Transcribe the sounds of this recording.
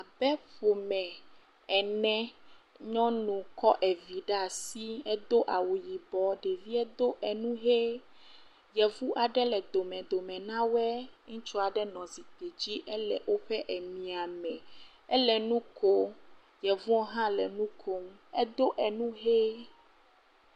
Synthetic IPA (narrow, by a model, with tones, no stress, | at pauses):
a˨bɛ˦ɸo˨mɛ̃˨ | ɛ˨nɛ̃˦ | ɲɔ̃˦nũ˨kɔ˦ʔɛ˨vi˨ɖa˦˨si˦ɛ˦d̪o˦ʔa˨wu˨ji˨bɔ˨ɖe˨vi˦ɛ˦d̪o˦ʔɛ˨nũ˦ɦe˦ | jɛ˨vu˦ʔa˨ɖɛ˦lɛ˨d̪o˨mɛ̃˨d̪o˨mɛ̃˨nã˦wɛ˦ŋũ˦t͡ʃu˦a˨ɖɛ˦nɔ̃˨zi˨t̪e˨d͡ʑi˦ʔɛ˦lɛ˨ʔwo˦ɸɛ˦ʔɛ˨mĩ˨a˨mɛ̃˨ | ɛ˦lɛ˨nũ˦kʰo˦ | jɛ˨vũ˦ɔ˦ɦã˦lɛ˨nũ˦kʰo˦mɛ˦d̪o˦ʔɛ˨nũ˦ɦe˦